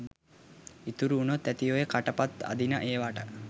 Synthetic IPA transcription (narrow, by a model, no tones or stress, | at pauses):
it̪uɾuːnot̪ːæt̪ijojekaʈəpat̪a̰d̪inəʔeːʋaːʈə